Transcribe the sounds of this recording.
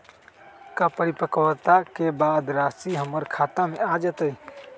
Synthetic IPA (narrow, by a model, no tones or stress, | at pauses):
kapəɾɪpəkwt̪akebaːd̪ɾaːsiɦəməɾkʰaːt̪amẽad͡ʒət̪əi